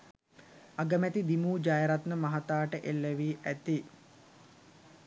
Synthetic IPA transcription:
aɡəmæt̪id̪imuːd͡ʒajəɾat̪nəmaɦat̪aːʈəʔelːeʋiːʔæt̪i

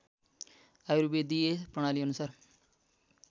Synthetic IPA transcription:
aːjɾubeːd̪iepɾəɽ̃aːliənusaːɾ

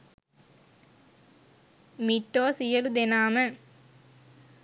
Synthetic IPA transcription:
miʈːoːsijəlud̪enaːmə

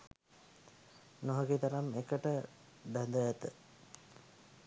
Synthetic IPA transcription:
noɦəɡit̪aɾamekəʈə | b̪ænd̪əæt̪ə

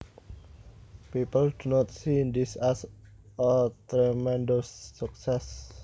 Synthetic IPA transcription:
pipəldunɔt̪̚sind̪isas | ət̪ɾɛmɛndosːuk̚sɛs

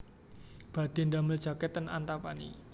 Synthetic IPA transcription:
b̥a̤d̪̥e̤nd̪amɪld͡ʒ̥a̤kɛt̪əna̰nt̪apanḭ

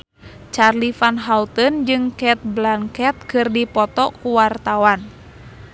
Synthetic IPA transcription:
t͡ʃarlifanɦaut̪ənd͡ʒɨŋkɛt̪̚blaŋkɛt̪̚kɨrdipɔt̪ɔkuwart̪awan

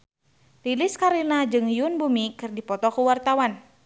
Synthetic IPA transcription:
lilɪskaɾinad͡ʒɨŋjunbumikɨrdipɔt̪ɔkuwart̪awan

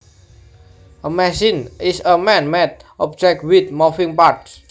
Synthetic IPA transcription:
ʔəmɛsinisəmɛ̃nmɛt̪̚ʔɔb̚d͡ʒɛk̚t̚wit̪̚mɔfĩŋpaɹt̚

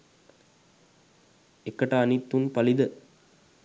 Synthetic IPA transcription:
ekːəʈaːnit̪ːunpɐlid̪ə

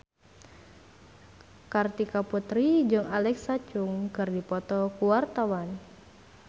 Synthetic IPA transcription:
kart̪ikaput̪ɾid͡ʒɨŋalɛksat͡ʃʊŋkɨrdipɔt̪ɔkuwart̪awan

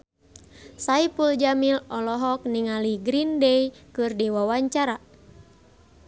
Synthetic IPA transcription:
saipuld͡ʒamilɔlɔɦɔk̚niŋaliɡɾindɛikɨrdiwawaɲt͡ʃaɾa

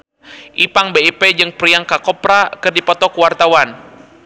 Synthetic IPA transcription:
ʔipaŋbeiped͡ʒɨŋpɾiaŋkakɔpɾakɨrdipɔt̪ɔkuwart̪awan

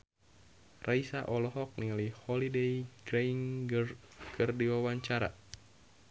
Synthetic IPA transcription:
rʔaisaʔɔlɔɦɔk̚niŋalihɔlidejɡɾɛiŋrkʰɨrdiwawaɲt͡ʃaɾa̰

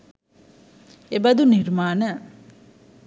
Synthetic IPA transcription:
ebɐd̪uniɾmaːnɐ

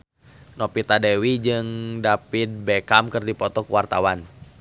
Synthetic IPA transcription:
nɔpit̪adɛwid͡ʒɨŋdapit̪̚bɛkamkɨrdipɔt̪ɔkuwart̪awan

